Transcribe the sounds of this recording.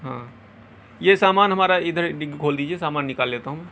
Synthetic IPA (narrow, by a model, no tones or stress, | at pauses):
ɦã̰ː | jesaːmaːnɦɐmaːɾaɪd̪ʱəɾɖɪɡkʰoːld̪iːd͡ʒiesaːmaːnːɪkaːlːeːt̪aɦũmɛ̃ː